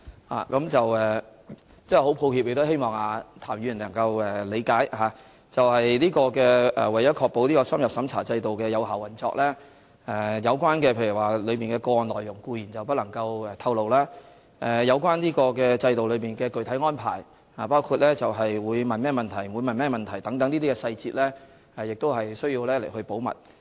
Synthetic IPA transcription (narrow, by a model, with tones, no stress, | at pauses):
ha̰ː˨˩kɐ˨˥mt͡sɐ˨wɛː˨˩ | t͡sɛ˥˨ho˨˥wpʰo˧whiː˧p̚je˨˩t̪ɔ˨˥he˥jmɔː˨ŋaː˨˧t̪ʰaː˨˩mjy˨˧jnlɐ˨˩ŋkɐ˧wɛː˨˩le˨˧jkaː˨˥jhaː˨˧ | t͡sɐ˨whɐ˨jliː˥kɔː˧kɛː˧ʔɛ̰ː˨˩wɐ˨˩jɐ˨˥kʰɔː˧k̚po˨˥wliː˥kɔː˧sɐ˥mjɐ˨psɐ˨˥mt͡sʰa̰ː˨˩t͡sɐ˧jt̪o˨wkɛː˧jɐ˨˧wɦaː˨˩wɐ˨˩nt͡sɔː˧k̚lɛː˥ | ɛː˨˩jɐ˨˧wkwaː˥nkɛː˧pʰe˧jy˨˩waː˨lɵ˨˧miː˨nkɛː˧kɔː˧ɔː˨˩nlɔː˨˩jʊ˨˩ŋkuː˧jiː˨˩nt͡sɐ˨wp̬ɐ˥t̚lɐ˨˩ŋkɐ˧wɛ˨˧t̪ʰɐ˧wlo˨wlaː˥ | ʔɛ˨˩jɐ˨˧wkʷaː˥nniː˥kɔː˧kɛː˧t͡sɐ˧jt̪o˨wlɵ˨˧ɥpiː˨nkɛː˧kɵ˨˩ɥt̪ʰɐ˨˥jŋɔː˥npʰa̰ː˨˩j | haː˨˩paː˥wkʰuː˧t̚lɛː˥t͡sɐ˨wɦɐ˨jwuː˨˧jmɐ˨˩nmɛː˥˩mɐ˨nt̪ʰɐ˨˩jwu˨˧jmɐ˨nmɛː˥˩mɐ˨nt̪ʰɐ˨˩jt̪ɐ˨˥ŋt̪ɐ˨˥ŋniː˥t̪iː˥kɛ˧sɐ˧jt͡siː˧t̚lɛː˥ | ɛ˨˩jɪ˨k̚t̪o˥whɐ˨jsɵ˥ɥjiː˧wlɛː˥le˨˩jhɵ˧ɥpo˨˥wmɐ̰˨t̚